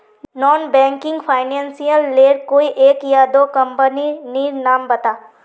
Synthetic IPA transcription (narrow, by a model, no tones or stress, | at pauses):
nɔːnbɛ̃ːŋkɪ̃ŋɡfʰaːɪnɛ̃ːnsijəlːeːɾkoːiʔeːkjad̪oːkɐ̃mpəniniːɾnaːmbɐt̪aː